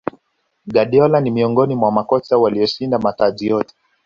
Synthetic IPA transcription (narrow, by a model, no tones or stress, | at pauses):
ɡaɗiɔlanimiɔŋɡɔnimwamakɔt͡ʃawaliɔʃindamatazijɔtɛ̥